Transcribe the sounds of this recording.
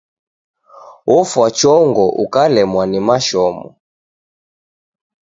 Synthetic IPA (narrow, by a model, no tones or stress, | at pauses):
ɔfwat͡ʃɔŋɡɔʔukalɛmwanimaʃɔmɔ̰